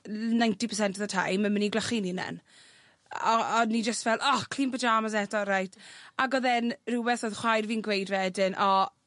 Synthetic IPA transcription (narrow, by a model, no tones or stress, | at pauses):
najntipʰə̥s̬ɛntʰəðətʰa̰jməməniɡlaχininɛ̰n | ɔɔnːid͡ʒəstvɛlˠʔɔkʰliːnbəd͡ʒaːmas̬ɛdɔɾajtʰaɡɔðɛnruwɛθɔðχwajrviːnɡwejdvɛdɪnʔɔ